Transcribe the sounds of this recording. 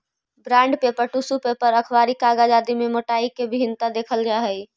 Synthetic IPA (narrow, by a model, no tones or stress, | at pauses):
bɾãɳɖpepəɾʈusupepəɾəkʰwaɾikaɡad͡ʒad̪imemoʈaikebʱiɦint̪ad̪ekʰəld͡ʒaɦəj